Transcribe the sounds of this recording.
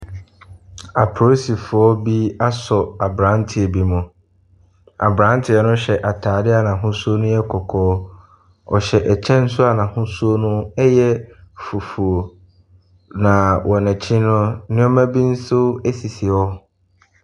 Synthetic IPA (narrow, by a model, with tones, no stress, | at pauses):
a˨pʰo˨˦si˨fʊ˨ɔ˦bi˦a˦sɔ˨a˨bɾã˦ntʰɪ˨ɛ˨bi˦mʊ̃˨ | a̰˨bɾã˦n˦tʰɪ˨ɛ˨nʊ̃˦ɕɛ˨ʔa˨tʰaː˨dɪ˦a˨nã˨ɦʊ̃˦su˦o˦nʊ̃˦jɛ˦kʰɔ˨kʰɔː˨˦ | ɔ̰˨ɕɛ˨ʔɛ˨t͡ɕʰɛ̃˦n̩˦sʊ˦a˨nã˨hʊ̃˦su˦o˦nʊ̃˦ɛ˦jɛ˦fu˨fu˨o˨ | nã˨wʔɔ˨nɛ̃˨t͡ɕʰɪ̃˦nʊ̃˦nɪ̃˦ɔ˦mæ̃˦bi˦n̩˦sʊ˦e˦si˨si˨ɔ˦